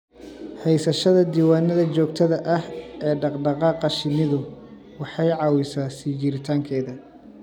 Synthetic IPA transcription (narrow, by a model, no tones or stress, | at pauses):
hɛjsɐʃɐðɐd̪iːwaːnɐðɐt͡ʃɔːɡ̚t̪ʰɐðɐʔɐhɛːɖɑqɖɑqɑːqɑʃɪnɪðʊ | wɑħɑjʕɑːwɪsaːsiːt͡ʃɪɾɪt̪ʰaːŋkʰɛːðɐ